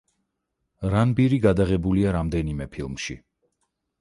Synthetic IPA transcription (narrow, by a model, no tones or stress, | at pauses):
ɾanbiɾiɡad̪aʁɛbuliaɾamd̪ɛnimɛpʰilˠmʃḭ